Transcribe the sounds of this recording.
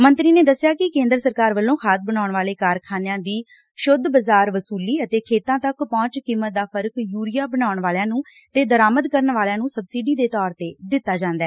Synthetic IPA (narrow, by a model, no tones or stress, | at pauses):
mə̃nt̪ɾiːneːd̪əsːɪjaːkɪkẽːnd̪əɾsəɾkaːɾʋəlːõːkʰaːt̪̚ʰbənaːʊɳʋaːleːkaːɾkʰaːnjãːd̪iː | ʃʊd̪bəzaːɾʋəsuːliːət̪eːkʰeːt̪ãːt̪əkpɔ̃ːt͡ʃkiːmːət̪̚d̪aːpʰəɾkjuːɾɪjaːbənaːʊɳʋaːljãːnũː | t̪eːd̪əɾaːməd̪kəɾəɳʋaːljãːnũːsəbsiːɖiːd̪eːt̪ɔːɾt̪eːd̪ɪt̪ːaːd͡ʒãːnd̪aɛː